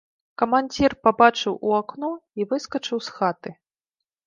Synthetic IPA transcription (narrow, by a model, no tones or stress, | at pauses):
kɐmanʲd͡zʲirpabat͡ʂɨwʔuakn̪ɔivɨskɐt͡ʂɨwsxat̪ɨ